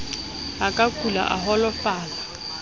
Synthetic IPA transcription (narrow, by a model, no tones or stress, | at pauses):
akʼakʰʼula̰ʔa̰ɦɔlɔfaːla